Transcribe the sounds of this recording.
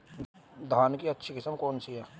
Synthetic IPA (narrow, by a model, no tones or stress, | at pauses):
d̪ʱaːnkiɐtːʃʰikɪsəmkɔːnsiɦɛ